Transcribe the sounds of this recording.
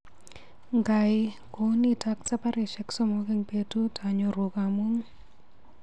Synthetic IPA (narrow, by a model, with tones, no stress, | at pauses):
ŋɡa˨ɪ | ko˨˦ni˦ta˦k̚ta˦pa˦ɾɪ˨ʃɛ˨ksɔ˦mo˦ke˦ŋpetu˦ta˨ɲo˨ɾu˨kamu˦ŋ